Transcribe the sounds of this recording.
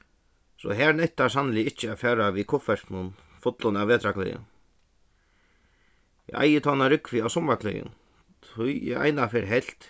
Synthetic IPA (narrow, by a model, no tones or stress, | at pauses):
sɔ̰ɦɛɾnɛht̪asanːɪlɪɪht͡ʃːɪafɛːɾaʋikʰʊfɛsknʊn | fʊt̪lʊnaveːt̪ɾakʰlɛ̰jɪ̰n | jɛ̰ʔa̰jɪt̪ʰɔːnaɾɪkvɪawsʊmakʰlɛ̰jʊ̰n | t̪ʰʊjjɛ̰ʔa̰jnafɛːɾɦɛl̥t̪